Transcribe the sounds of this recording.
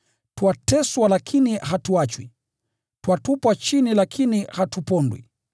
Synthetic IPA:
twatɛswalakʰiniɦatuat͡ʃwḭ | twatupwat͡ʃinilakʰinihatupɔndwḭ

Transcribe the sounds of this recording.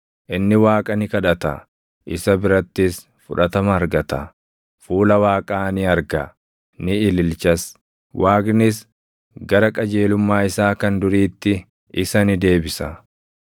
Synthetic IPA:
ʔɪnːɪwaːkʼɐnɪkɐᶑɐt̪ɐ̰ | ʔɪsɐbɪɾɐt̪ːɪs | fʊ̰ᶑɐt̪ɐmɐɐɾɡɐt̪ɐ | fuːlɐwaːkʼaːnɪɐɾɡɐ | nɪɪlɪlt͡ʃɐs | wʔaːɡnɪs | ɡɐɾɐkʼɐd͡ʒe̞ːlʊmːaːɪsaːkɐnd̪ʊɾiːt̪ːɪ | ɪsɐnɪd̪e̞ːbɪsɐ

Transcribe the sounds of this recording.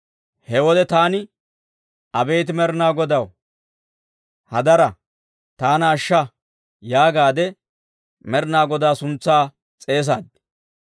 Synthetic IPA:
hɛwɔd̪ɛt̪aːnɪ | ʔɐbeːt̪ɪmɛɾɪnaːɡɔd̪ɐw | hɐd̪ɐɾɐ | t̪aːnɐːʃːɐ | jaːɡaːd̪ɛ | mɛɾɪnaːɡɔd̪aːsʊnt͡sːaː | t͡sʼe̞ːs̬aːd̪

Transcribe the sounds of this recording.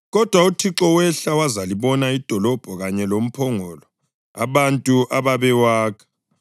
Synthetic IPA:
ɣɔd̥ʱwautʰiǁɔwɛɬawazaliβɔnaid̥ʱɔlɔb̥ʱɔɣaɲɛlom̩pʰɔŋɔlɔ | a̰βantʼuʔaβaβɛwaːkʰɛ̥

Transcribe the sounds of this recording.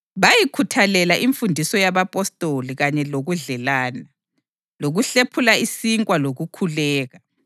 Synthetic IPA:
βajikʰutʰalɛlaʔiɱfundʱisɔjaβapʼɔstʼoliɣaɲɛloɣuɮɛlaːna | loɣuɬepʰulaisiŋkʼwaloɣukʰulɛːɣa

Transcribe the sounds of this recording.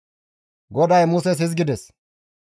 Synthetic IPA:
ɡɔd̪ɐjmʊsɛs̬hɪzɡɪd̪ɛs

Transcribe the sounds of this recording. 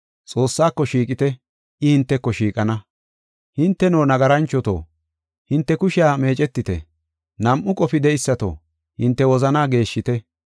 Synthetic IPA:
t͡sʼo̞ːsːaːkːɔʃiːkʼɪt̪ɛ | ʔɪhɪnt̪ːɛkːɔʃiːkʼɐnɐ | hɪnt̪ːɛno̞ːnɐɡɐɾɐnt͡ʃːɔt̪o̰ː | hɪnt̪ːɛkʊʃɪjaːme̞ːt͡ʃʼɛt̪ːɪt̪ɛ̰ | nɐmʔːʊkʼɔfɪd̪ɛɪsːɐt̪o̰ː | hɪnt̪ːɛwɔzɐnaːɡe̞ːʃːɪt̪ɛ

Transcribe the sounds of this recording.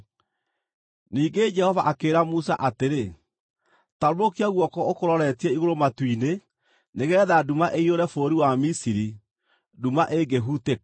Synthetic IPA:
niːɡed͡ʒɛhɔvaʔakeːɾamusa̰ʔateɾe | taɾoɾokiaɣwɔkɔokoɾɔɾɛtiɛiɣoɾomatwine | neɣɛːðadumaʔeioɾɛfoːɾiwamisiɾi | dumaʔeɡeɦute

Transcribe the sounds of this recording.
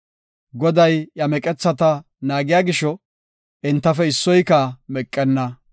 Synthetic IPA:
ɡɔd̪ɐjjɐmɛkʼɛt͡sːɐt̪ɐ | naːɡɪjaːɡɪʃɔ | ɪnt̪ːɐfɛɪsːɔjkɐmɛkʼːɛnːɐ

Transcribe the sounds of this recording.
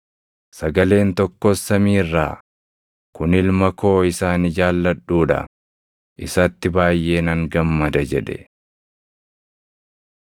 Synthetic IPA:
sɐɡɐle̞ːnt̪ɔkːɔsːɐmiːrːa̰ː | kʊnɪlmɐkʰo̞ːɪsaːnɪd͡ʒaːlːɐᶑuːᶑɐ̰ | ʔɪsɐt̪ːɪbaːjʔe̞ːnɐŋɡɐmːɐd̪ɐd͡ʒɛᶑɛ̰

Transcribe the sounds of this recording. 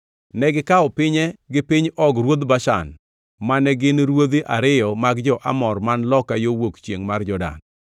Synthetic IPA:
nɛɡɪkaɔpɪɲɛɡɪpɪɲɔɡɾwod̪baʃa̰n | manɛɡɪnɾwod̪iʔaɾɪjɔmaɡd͡ʒɔʔa̰mɔrmanlɔkajowokt͡ʃjeŋmard͡ʒɔda̰n

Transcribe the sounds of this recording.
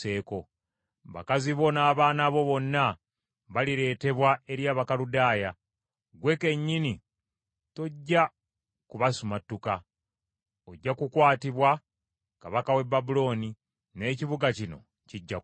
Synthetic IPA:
e̞ːko̞ | βa̰kaziβo̞naːβaːnaβo̞βo̞nːa | βaliɾe̞ːte̞βwae̞ɾjaːβakaludaːja | ɡwe̞ke̞ɲːini | to̞ɟːa | kuβasumatːuka | oɟːakukwaːtiβwa | kaβakawe̞bːabulo̞ːni | ne̞ːciβuɡacino̞̰ | ciɟːa

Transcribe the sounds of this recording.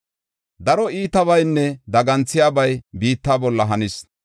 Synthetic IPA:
d̪ɐɾɔiːt̪ɐβɐjnːɛd̪ɐɡɐnt͡sːɪjaːbɐjbiːt̪ːaːbɔlːɐɦɐnɪs

